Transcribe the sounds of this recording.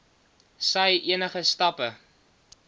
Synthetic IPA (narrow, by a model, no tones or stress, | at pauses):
səjʔiənəχəstɐpə